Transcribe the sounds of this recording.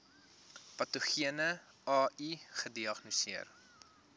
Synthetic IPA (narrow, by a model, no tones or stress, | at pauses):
pɐtoχiənə | ɑːiχədiɐχnusiər